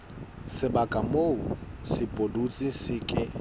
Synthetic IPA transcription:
sɪbakʼamousɪpʼodut͡sʼɪsɪkʼɪ

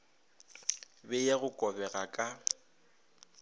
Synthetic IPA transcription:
bɛjaɣʊkʼɔbɛɣakʼa

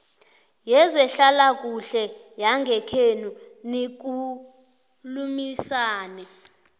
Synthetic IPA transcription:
jɛzɛɬalak̬ʼuɬɛ | jaŋɡʱɛkʰenunik̬u | lumisaːnɛ

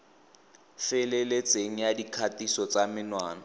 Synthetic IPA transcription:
fɛlelet͡sʼeŋ̩jadikʰatisɔt͡samɪnwaːna

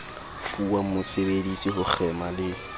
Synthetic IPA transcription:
fuwamʊsebedisihʊk͡xʰɛmalɪ

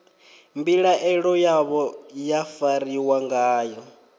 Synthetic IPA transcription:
mbiɺaʔɛɺɔjaβɔjafaɾiwaŋɡaːjɔ

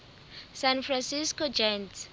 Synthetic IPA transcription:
sãnfrãnsiskɔd͡ʒɛns

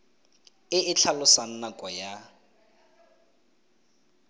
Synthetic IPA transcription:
ɪɪt͡ɬʰalʊsan̩nakʼɔja

